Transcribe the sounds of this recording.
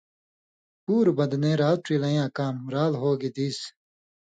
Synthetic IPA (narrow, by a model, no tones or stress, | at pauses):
puːɾbɐd̪nẽːɾaːl̚ʈ͡ʂiːlɐ̃jãːkaːmɾaːlɦoːɡid̪iːs